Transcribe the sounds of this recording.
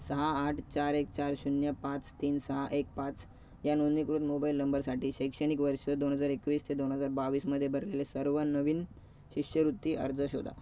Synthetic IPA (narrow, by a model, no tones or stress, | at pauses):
səɦaːʈʰt͡ɕaɾek̚t͡ɕaɾɕunjəpãt͡st̪iːnsəɦaʔek̚pãt͡s | janonikɾut̪mobailnəmbəɾsaʈiːɕəjkʂəɽ̃ikʋəɾɕəd̪onɦəd͡zaɾekʋiːst̪ʰed̪onɦəd͡zaɾbaʋiːsməd̪ʱːjebʱəɾlelesəɾʋənəʋiːn | ɕikʂəɾut̪ːiːʔə̰ɾd͡zəɕod̪ʱa̰